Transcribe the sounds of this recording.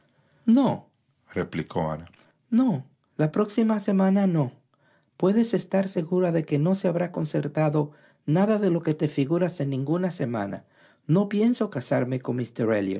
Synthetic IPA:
no | replikʰo̰a̰na | no̞ | lapɾo̞ksimase̞manano̞ | pwe̞ðe̞se̞st̪aɾse̞ɣuɾaðe̞ke̞no̞seaβɾako̞nse̞ɾt̪aðo̞ | naðaðe̞lo̞ke̞t̪e̞fiɣuɾase̞nːĩŋɡunase̞ma̰na̰ | no̞pje̞nso̞kasaɾme̞ko̞nmist̪eɾeljo̰

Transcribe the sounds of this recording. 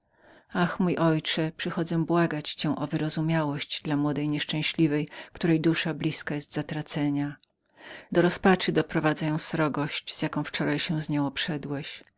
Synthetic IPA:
axmujʔɔjt͡ʂɛpʂɨxɔd̪zɛbwaɡat͡ɕt͡ɕɛ̃ʔɔvɘɾɔzumʲjawɔɕt͡ɕd̪lamwɔd̪ɛjɲɛʂt͡ʂɛ̃ɕlʲivɛjkt̪uɾɛjd̪uʂablʲiskajɛst̪zat̪ɾat̪sɛɲa | d̪ɔɾɔspat͡ʂɘd̪ɔpɾɔvad̪zajɔ̃w̃sɾɔɡɔɕt͡ɕz̥jakɔ̃w̃ft͡ʂɔɾajɕɛwzɲɛw̃ɔpʂɛd̪wɛɕ

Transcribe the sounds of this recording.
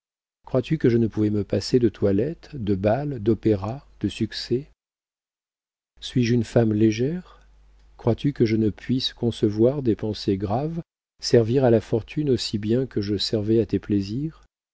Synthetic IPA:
kχwat̪ykəʒənəpuvɛməpased̪ət̪ʰwalɛt̪d̪əbald̪ɔpeʁad̪̥əsyksɛ | sɥiʒynfamleʒɛʁ | kχwat̪ykəʒənəpʰɥiskɔ̃səvwaʁd̪epɑ̃seɡʁav | sɛʁviʁalafɔʁt̪ʰynosibjɛ̃kəʒəsɛʁvɛat̪epleziːʁ

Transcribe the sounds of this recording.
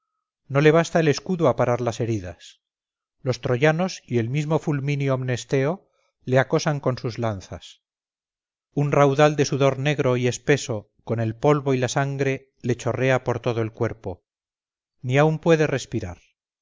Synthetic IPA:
no̞le̞β̞ast̪aele̞skuðuapaɾaɾlase̞ɾiðas | lo̞st̪ɾo̞ʝano̞sie̞lmizmo̞fulmĩniomne̞st̪e̞o̞ | leako̞saŋko̞nsuzlanθa̰s | unrawðald̪e̞suðo̞ɾne̞ɣɾo̞ie̞spe̞so̞ | ko̞ne̞lpo̞lβo̞ilasaŋɡɾe̞ | le̞t͡ʃo̞re̞apo̞ɾt̪o̞ðoe̞lkwe̞ɾpo̞ | niaumpwe̞ðe̞re̞spiɾa̰ɾ

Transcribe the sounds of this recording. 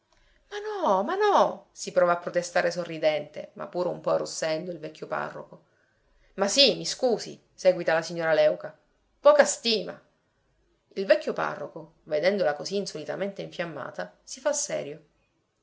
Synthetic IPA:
manɔmanɔsipɾɔːvaːpːɾot̪est̪aːɾesorːid̪ɛnt̪ḛma̰pːuːɾeṵmpɔrosːɛnd̪oilvɛkʰʲːjopa̰rːo̰ko | masimiskuːzḭ | sɛːɡwit̪alasiɲːoːɾalɛwka | pɔːkast̪iːma̰ | ilvɛkːjopa̰rːoko | ved̪ɛnd̪olakoziːnsolit̪a̰ment̪eiɱfjamːa̰ːt̪asifasːɛ̰ːɾjo

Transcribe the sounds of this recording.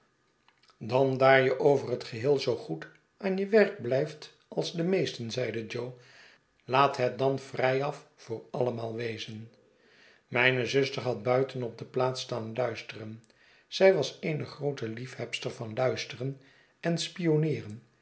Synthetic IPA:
dɑndaːɹjəʔowvərɦətχəɦɪːlˠzowχut | ʔaːnjəʋɛɹk̚blɛjft | ʔɑlˠzdəmejstənzɛjdəd͡ʒow | laːtɦɛt̚dɑnfrɛjɑffʊːɹɑləmaːlˠʋejzən | mɛjnəzɵstəɹɦɑt̚bœɥtənɔp̚dəplaːtstaːnlœɥstərən | z̥ɛjʋɑsejnəχrowtəlifhɛpstəɹvɑnlœɥstərən | ɛnspijonɪːrən

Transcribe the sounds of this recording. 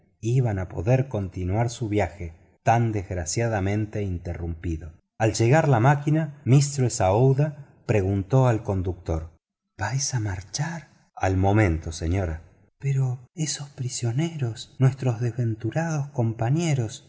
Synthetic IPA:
iβanapo̞̰ðeɾko̞nt̪inwaɾsuβjaxe | t̪and̪ezɣɾasjaðamẽ̞nt̪eint̪erumpiðo̞ | alʒe̞ɣaɾlamakinamist̪ɾoesaowða | pɾeɣunt̪o̞alko̞nd̪uk̚t̪o̞ɾ | b̥ajsamaɾt͡ʃaɾ | a̰lmo̞mẽ̞nt̪oseɲo̞ɾa | peɾoesospɾisjo̞neɾo̞snwest̪ɾo̞zðezβe̞nt̪uɾað̞osko̞mpaɲeɾo̞s

